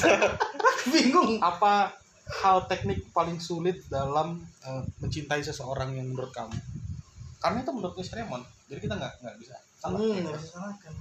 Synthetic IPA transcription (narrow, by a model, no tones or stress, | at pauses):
biŋɡʊŋʔapa | halt̪ɛk̚nɪk̚palɪŋsulɪt̪̚dalaməːəɲt͡ʃint̪aisəsəoɾaŋjaŋmənuɾʊt̪̚ka̰mu | karənait̪umənuɾʊt̪̚ɲɛst̪ɾemɔnd͡ʒadikit̪aŋɡaʔŋɡaʔbisa | saaasasanakan